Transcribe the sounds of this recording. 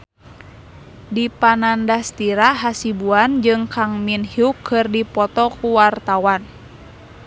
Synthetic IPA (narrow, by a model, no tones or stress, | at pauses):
dipanandast̪iɾaɦasibuand͡ʒɨŋkaŋminhiukʰːɨrdipɔt̪ɔkuwart̪awan